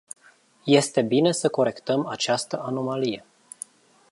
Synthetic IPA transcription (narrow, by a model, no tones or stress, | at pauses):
je̞st̪e̞bine̞səko̞ɾe̞kt̪əmat͡ʃast̪əʔano̞malije̞